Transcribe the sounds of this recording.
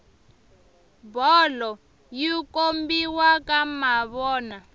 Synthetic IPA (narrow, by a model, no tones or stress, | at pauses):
bɔlɔ | jikombiwakamaβɔːna